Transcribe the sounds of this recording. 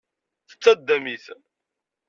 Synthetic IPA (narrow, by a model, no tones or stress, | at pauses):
θə̥t͡sːæd̪ːæmiθ